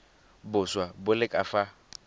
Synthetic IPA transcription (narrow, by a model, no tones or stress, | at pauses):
bʊswabʊlɪkʼafa